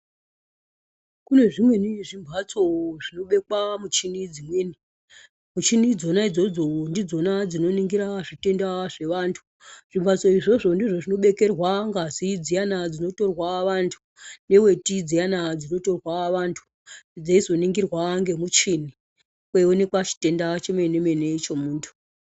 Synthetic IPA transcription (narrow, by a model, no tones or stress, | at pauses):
kune̞ʐimweniʐimbʱat͡soʐ̥ino̞ɓe̞kwamut͡ʃinid͡zimweːni | mut͡ʃinid͡zo̞naid͡zo̞d͡zo̞ndid͡zo̞nad͡zino̞niŋɡiɾaʐite̞ndaʐe̞ʋaːntʰu̥ | ʐ̥imbʱat͡so̞iʐo̞ʐo̞ndiʐo̞ʐino̞ɓe̞ke̞rwaŋɡazid͡zijanad͡zino̞to̞rwaʋantʰu̥ | ne̞we̞tid͡zijanad͡zino̞to̞rwaʋantʰu̥ | d͡zaizo̞niŋɡirwaŋɡe̞mut͡ʃini | kweone̞kwat͡ʃi̥te̞ndat͡ʃemenemenet͡ʃo̞muːntʰu̥